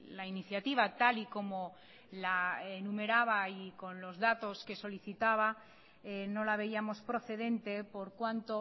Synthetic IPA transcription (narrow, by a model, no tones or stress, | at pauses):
lainiθjat̪iβ̞at̪aliko̞mo | laenume̞ɾaβ̞aiko̞nlo̞zðat̪o̞ske̞so̞liθit̪aβ̞a | eno̞laβ̞e̞iamo̞spɾo̞θe̞ð̞e̞nt̪e̞po̞ɾkwant̪o